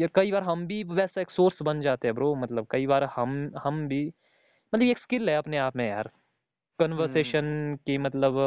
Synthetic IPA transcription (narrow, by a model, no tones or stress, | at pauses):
jɐɾkɐibaːɾɦɐmbʱiʋɛːsaeːksoːɾsbɐnd͡ʒaːt̪eɦɛ̃bɾoːmɐt̪ləb̚kɐibaːɾhɐmhɐmbʱi | mɐt̪ləbeːkskɪlɦɛɐpneaːpmẽja̰ːɾ | kənʋəɾseːʃənkemɐt̪ləb